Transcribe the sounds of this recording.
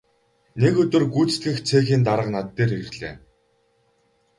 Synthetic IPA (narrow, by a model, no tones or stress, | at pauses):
nekɵt̪ɵ̆rɡuːt͡st̪ɡɘ̆xt͡sʰeːxiːnt̪aɾə̆qnat̪ːeːrerɮḛː